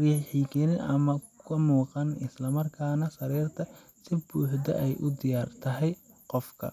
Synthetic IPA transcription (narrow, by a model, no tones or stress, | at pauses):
riħiːkʰɛnɪnʔɐmɐkʰɐmuːqɑnɪslɐmɐrkʰaːnɐsɐɾɛːrt̪ʰɐ | sɪbuːħd̪ɐ̰ʔɛjʔʊd̪ɪjaːrt̪ʰɐɦɛj | qɔfkʰɐ̰